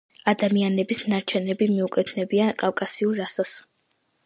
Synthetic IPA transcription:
ad̪amianɛbisnaɾt͡ʃʰɛnɛbimiukʼɛt̪ʰnɛbiankʼafkʼasiulːasas

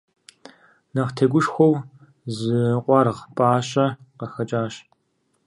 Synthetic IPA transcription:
nɐʁtʰeːɡʷʊʂxʷow | zɨqʷʼɑɾʁpʼaːɕʼɐqɐxɐt͡ʃʼaːɕ

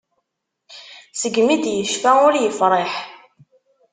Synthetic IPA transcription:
səɡmid̪jəʃfæʊɾjəfɾˤeħ

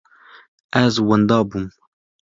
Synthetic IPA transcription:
ʔæzwand̪ɑːbum

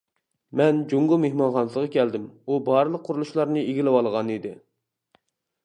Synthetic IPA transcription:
mɛnd͡ʒuŋɡumehmɑnχɑnsʁɑkʲʰɛld̪ɪmubɑɾɨlˠəqʰːʊɾulˠuʃlˠɑɾnɨeɡʲilɪwɑlˠʁɑnid̪ɪ

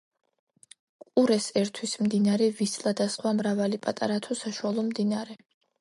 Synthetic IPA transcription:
kʼuɾɛsɛɾt̪ʰwismd̪inaɾɛvislˠad̪asχwamɾavalipʼat̪ʼa̰ɾat̪ʰɔsaʃualˠɔmd̪inaɾɛ

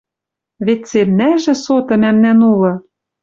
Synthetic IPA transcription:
βet̪semnæʒɘ̆sot̪ɤ̆mæmnænulɤ̆

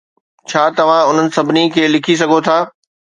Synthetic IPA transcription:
t͡ɕʰaːt̪ɐʋ̤ãʊn̤ənɪ̆sɐbʱɪnikʰeːlɪkʰis̬ɐɡʱot̪ʰaː

